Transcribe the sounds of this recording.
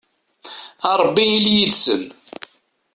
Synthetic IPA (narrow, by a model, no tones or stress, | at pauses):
ɑɾˤbːiiljid̪sə̰n